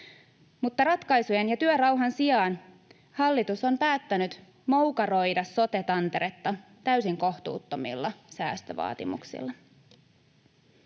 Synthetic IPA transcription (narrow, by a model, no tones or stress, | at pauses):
mut̪ːɑɾɑt̪kɑjsujenjɑt̪yøɾɑwɦɑnsiɑːn | hɑlːit̪uso̞mpæːt̪ːænyt̪ | mowkɑɾo̞jdɑsːo̞t̪e̞t̪ɑnt̪e̞ɾet̪ːɑ | t̪æysiŋko̞ht̪ṵːt̪ːomḭlːɑsæ̰ːst̪ø̰ʋɑ̰ːt̪ḭmṵksḭlːɑ